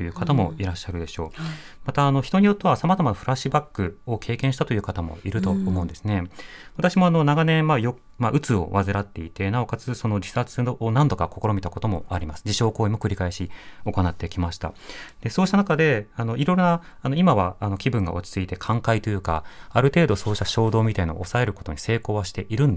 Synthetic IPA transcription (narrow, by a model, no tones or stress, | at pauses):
t̪ojɯ̟ːkat̪amo̞̰iɾaɕːaɾɯ̟d̪e̞ɕo̞ː | mat̪aːno̞çi̥t̪o̞ɲ̟ijo̞t̪ːe̞βasamazamanoɸɯ̟ɾaɕɨbakːɯ̟o̞kʰe̞ːkẽɕi̥t̪at̪o̞jɯ̟ːkat̪amo̞̰iɾɯ̟t̪o̞ːmõ̞̟nd̪e̞sɨne̞βat̪aɕimo̞ano̞naɡanẽ̞majo | maʔɯ̟t͡sɨo̞̰βazɨɾat̪ːe̞it̪e̞nao̞kat͡sɨso̞no̞d͡ʑi̥sat͡sɨoonãnd̪o̞kako̞ko̞ɾo̞mʲit̪akot̪o̞mo̞aɾʲimasɨ̥d͡ʑiɕo̞ːko̞ːimo̞kɯ̟ɾʲikaeɕio̞ko̞nat̪ːe̞kʲimaɕi̥t̪a̰d̪̥e̞so̞ːɕit̪anakad̪e̞ano̞iɾo̞ɾonaː | no̞imaβaːno̞kʲibɯ̟̃ŋɡa̰o̞t͡ɕi̥t͡sɨit̪e̞kʰãŋkait̪o̞jɯ̟ka̰aɾɯ̟t̪e̞ːd̪o̞so̞ːɕi̥t̪aɕo̞ːd̪o̞ːmʲit̪aina̰osae̞ɾɯ̟ko̞̥t̪o̞ɲ̟ise̞ːko̞ːβaɕi̥t̪e̞ʔiɾɯ̟̃nd̪